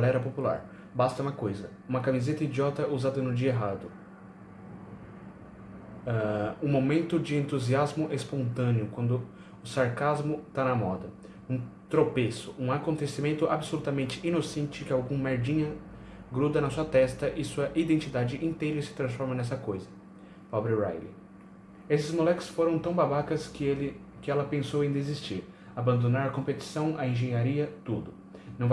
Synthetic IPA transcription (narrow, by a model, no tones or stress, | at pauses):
ɡalɛɾɐpopula̰ɾ | bast̪ɐũmɐkojzɐ | ũmɐkamizet̪ɐid͡ʒiɔt̪ɐʔuzad̪ɐnʊd͡ʒiɐeɦad̪ʊ | ɛũmomẽnt̪ʊd͡ʒɪẽnt̪uziazmʊʔɛspõnt̪ɐ̃nɪʊkwɐ̃nd̪ʊ | ʊsaɾkazmʊt̪anɐmɔd̪ɐ | ũt̪ɾopesʊũakõnt̪esimẽnt̪ʊʔabɪsolut̪ɐmẽnt͡ʃɪʔinosẽnt͡ʃɪkɪawɡũmeɾd͡ʒĩɲɐ | ɡɾud̪ɐnɐsuɐt̪ɛst̪ɐʔɪsuɐʔid̪ẽnt͡ʃid̪ad͡ʒɪʔĩnt̪ejɾɐsɪ̥t̪ɾɐ̃sfɔɾmɐnɛs̬ɐkojzɐ | pɔbɾɪɾa̰jlɪ̰ | esɪzmolɛkʊ̥sfoɾɐ̃w̃t̪ɐ̃w̃babakɐsklɪ | kɪɛlɐpẽsowẽj̃d̪ezist͡ʃiɾ | abɐ̃nd̪onaɾɐkõpet͡ʃi̥sɐ̃w̃ɐẽʒẽɲaɾiɐt̪ud̪ʊ | nɐ̃w̃v